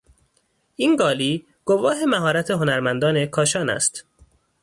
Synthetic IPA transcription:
ʔinɡɒːliː | ɡ̥ovɒːɦe̞mæɦɒːɾæt̪ʰe̞ɦo̞næɾmænd̪ɒːnekʰɒːʃɒːnæ̰st̪

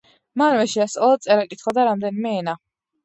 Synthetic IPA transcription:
manmɛʃɛasʼalˠad̪t̪sʼɛɾakʼit̪ʰχwad̪aɾamd̪ɛnimɛɛna

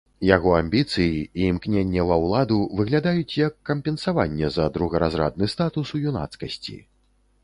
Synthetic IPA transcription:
jaɣɔamʲbʲit̪sɨjiiːmknʲenʲːɛvɐwlˠad̪uvɨɣlʲad̪ajut͡sʲjɐkːɐmʲpʲɛnsavanʲːɛzɐd̪ɾuɣɐɾazɾa̰d̪̚nɨst̪at̪usujuna̰t̪skɐsʲt͡sʲḭ

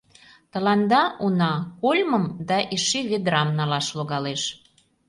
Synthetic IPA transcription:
t̪ə̆lɑnd̪ɑunɑkolʲməmd̪ɑʔiʃiβed̪ɾɑmnɑlɑʃloɣɑleʃ

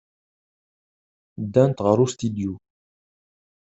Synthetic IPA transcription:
d̪æ̃nt̪ʁaɾust̪id̪ju

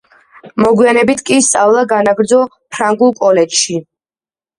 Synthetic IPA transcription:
mɔɡwianɛbit̪ʰkʼist̪sʼavlˠaɡanaɡɾd̪zɔ | pʰɾaŋɡulˠkʼɔlɛt͡ʃʃi

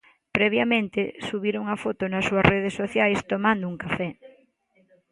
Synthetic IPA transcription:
pɾɛβjamẽnt̪esuβiɾoŋɐfot̪ʊnɐsːuɐsreð̞esːoθjajst̪omãnd̪ʊuŋkafɛ

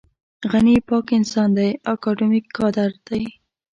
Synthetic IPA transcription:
ɣanipɑkɪnsɑnd̪ajɑkɑɖumikʰːɑd̪aɾd̪̥aj

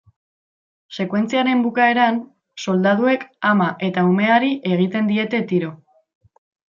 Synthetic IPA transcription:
se̞kwe̞nt͡siaɾe̞mbukae̞ɾan | so̞ld̪að̞ue̞kamaʔe̞t̪aume̞aɾiʔe̞ɣ̞it̪e̞nd̪ie̞t̪e̞t̪iɾo̞

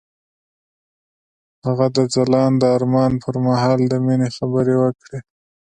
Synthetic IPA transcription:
haɣad̪əd͡zalɑnd̪əɑɾmɑnpʰəɾmaɦɑld̪əminexabəɾewəkɽe

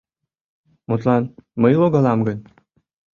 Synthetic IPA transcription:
mot̪lˠɑnməjloɡɑlɑmɡən

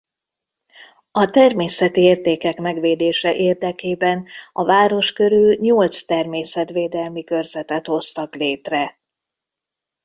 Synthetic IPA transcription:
ɒt̪ɛrmeːsɛt̪ieːrt̪eːkɛkmɛɡʋeːd̪eːʃɛʔeːrd̪ɛkeːbɛnɒvaːɾo̞ʃkø̞ɾylɲolt̪st̪ɛrmeːsɛt̪ʋeːd̪ɛlmikø̞rzɛt̪ɛt̪ho̞st̪ɒkleːt̪rɛ

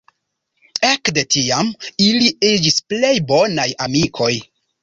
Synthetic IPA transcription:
e̞kde̞tiamiliid͡ʒisple̞jbo̞najamikʰo̞j

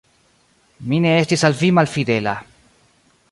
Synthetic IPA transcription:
mine̞estisalvimalfid̪ela

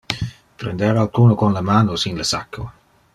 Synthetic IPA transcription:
pɾḛnd̪eːɾalkuːnokonlamaːnosinləsakʰːo̰

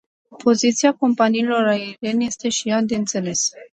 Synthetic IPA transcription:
pʰo̞zit̪siako̞mpaniːlo̞ɾaeɾe̞nʲje̞st̪e̞ʃijad̪e̞ɨnt̪se̞le̞s

